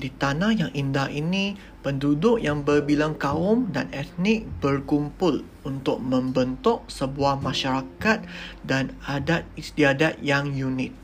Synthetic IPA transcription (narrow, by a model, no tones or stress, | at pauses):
dit̪anahjaŋʔindahini | pəndudʊʔjaŋbərbilaŋkaʊmda̰nɛt̪̚nɪk̚bərkumpʊl | unt̪ʊk̚mə̃mbənt̪ɔʔsəbuahmãʃaɾakat̪̚danadat̪̚ist̪iadat̪̚jaŋjunɪt̪̚